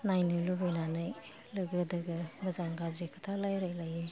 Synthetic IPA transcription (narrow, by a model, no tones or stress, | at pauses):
najnɯlubɯjnanɯj | lɯɡɯdɯɡɯmɯzaŋɡazɾikʰɯtʰalajɾajlaji